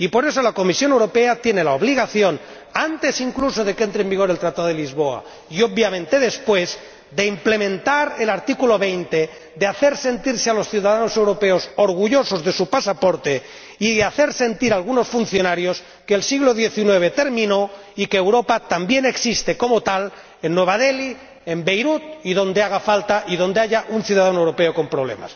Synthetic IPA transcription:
ipo̞ɾe̞so̞lako̞misjo̞newɾo̞peat̪jenelaoβ̞liɣ̞aθjo̞n | ant̪e̞siŋkluso̞ðe̞ke̞nt̪ɾembiɣ̞o̞ɾelt̪ɾat̪aðoðelizβo̞a̰ | iob̚bjamẽnt̪e̞ð̞e̞spwe̞z | d̪e̞implemẽnt̪aɾelaɾt̪ikulo̞βe̞jnt̪e | d̪eaθe̞ɾse̞nt̪iɾsealo̞sθjuwðaðanose̞wɾo̞peosoɾɣ̞uʝo̞so̞zðe̞supasapoɾt̪e | iðeaθe̞ɾse̞nt̪iɾalɣunosfun̟θjo̞naɾjos | keːlsiɣloðjeθinwe̞β̞e̞t̪e̞ɾmĩno̞ | ikeːwɾopat̪ambje̞ne̞ksist̪e̞ko̞mot̪al | enːwe̞β̞aðeli | embe̞jɾut̪̚iðo̞nd̪eaɣ̞afalt̪aʔiðo̞nd̪eaʎaʔunθjuðaðanoewɾo̞peoko̞mpɾo̞β̞le̞̰ma̰s

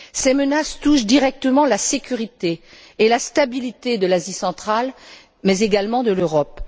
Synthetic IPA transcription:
sɛmənast̪uʃd̪iʁɛk̚t̪əmɑ̃lasekʲyʁit̪eː | last̪abilit̪ed̪əlazisɑ̃t̪χal | mɛzeɡalmɑ̃d̪əløʁɔp

